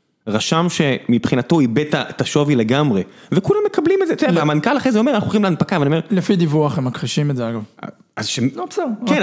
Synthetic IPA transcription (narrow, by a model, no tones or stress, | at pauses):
ʁaʃamʃe̞mipχinat̪o̞ibet̪at̪aʃo̞vile̞ɡamʁevekulamːekablimetzet̪od̪veamankalaχezeomeanaχuoχimlanupakavanie̞ʁlefid̪ivuaχemːakʁiʃimetzeaɡav̰ | azʃemopsaken